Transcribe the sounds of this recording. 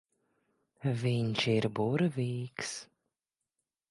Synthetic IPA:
viɲʲʃiɾbuɾvʲiːks

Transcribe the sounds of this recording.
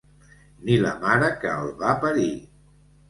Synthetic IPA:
nilə̰maɾəkəːlˠβapəɾi

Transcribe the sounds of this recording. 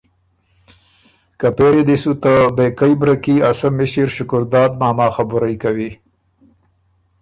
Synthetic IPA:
kapeɾed̪isut̪abekajbɾakiasamːɪʃiɾʃʊkʊɾd̪ɑːd̪mɑːmɑːxabʊɾajkawi

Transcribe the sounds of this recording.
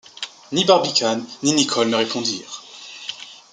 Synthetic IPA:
nibaʁbikʲʰanːinikʰɔlnəʁepɔ̃d̪iːʁ

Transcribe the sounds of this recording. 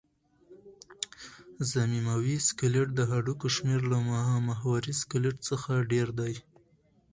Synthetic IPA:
zamimawiskɪlɪʈ̚d̪əɦaɖukoʃmeɾlamahɑmaɦwaɾiskɪlɪʈt͡səxaɖeɾd̪aj

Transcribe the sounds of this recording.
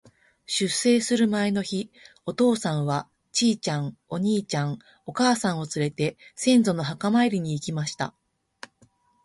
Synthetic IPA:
ɕɨsːe̞ːsɨɾɯ̟mae̞no̞çi | o̞t̪o̞ːsãɰ̃βa | t͡ɕiːt͡ɕãɴo̞ɲ̟iːt͡ɕãŋ | o̞kaːsãɰ̃o̞t͡sɨɾe̞t̪e̞sẽ̞nd͡zo̞no̞ɦakamaeɾʲiɲ̟iːkʲimaɕi̥t̪a̰

